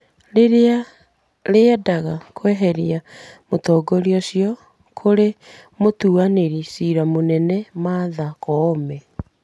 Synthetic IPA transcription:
ɾeɾea | ɾeɛdaɣakʰowɛɦɛɾiamotɔːɡɔɾiɔsjɔ | kʰoɾe | motuaneɾisiːɾamonɛnɛmaðakɔmɛ

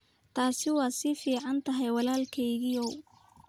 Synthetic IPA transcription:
t̪ʰaːsɪwɑːsɪfiːʕɑnt̪ʰɐɦɛjwɑlaːlkʰɛjɣɪɔw

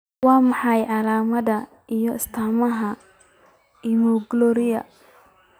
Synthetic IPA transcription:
wɑːmɑħɑjʕɑlaːmɐðɐ | ʔijɔɪst̪ʰaːmɐɦɐ | iːmɔɡlɔːɾɪjɐ̰

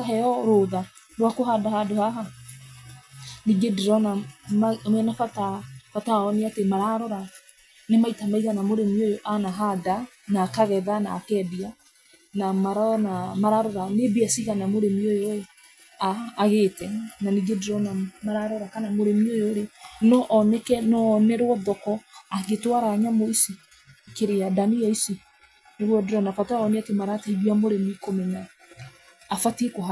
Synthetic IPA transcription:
aɦɛɔɾoða | ɾwakoɦadahadohaɦa | niɡedeɾɔnammɛnafatafataɔneatemaɾaɾɔɾa | nemaitamaiɣanamoɾemiojoʔanaɦada | naːkaɣɛðanaːkɛːdia | namaɾanamaɾaɾɔɾanebiasiɣanamoɾemiojoe | aːɣeːtɛnaniɡedeɾɔnamaɾaɾɔɾakanamoɾemiojoːɾenɔʔɔnɛkɛnɔnɛɾwɔðɔkɔaɣetwaɾaɲamoisi | keɾeadaniaisi | neɾwɔdeɾɔnafataɔneatemaɾataiɣwiamoɾemikomɛnaː | fatekoɦa

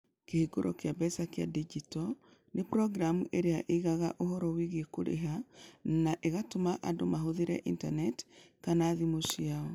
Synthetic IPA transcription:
kehiɡoɾʔɔ̰keabɛsakea̰did͡ʒitɔ | nepɾɔɡɾamuʔeɾeaʔiiɣaɣaʔoɦɔɾɔwiɣekoɾḛɦanaʔeɣatomaʔandomaɦoðeɾɛ̰ʔintanɛtkanaːðimosiaɔ

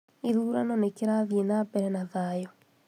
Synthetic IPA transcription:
iðuːɾanɔnekeɾaðienaːbɛɾɛnaðajɔ

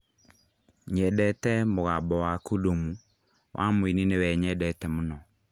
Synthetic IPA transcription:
ɲɛdɛtɛmoɣabɔwakodomu | wʔa̰mwininewɛɲɛdɛtɛmonɔ

